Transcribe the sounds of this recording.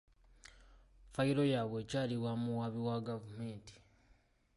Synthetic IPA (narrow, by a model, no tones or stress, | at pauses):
faiɾo̞jaβwe̞ːcaːliβwamuwaβiwaɡavume̞ːnti̥